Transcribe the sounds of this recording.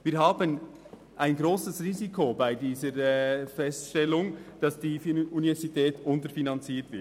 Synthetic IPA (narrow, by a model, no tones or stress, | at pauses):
viːɾɦaːbən | ʔaɪnɡɾoːsəsʁiːzikʰobaɪdiːzəɾfɛstʃtɛlʊŋd̥ɑsd̥iːfunivɛɾzitʰɛːtʊntəfinɑnt͡siːtv̥ɪt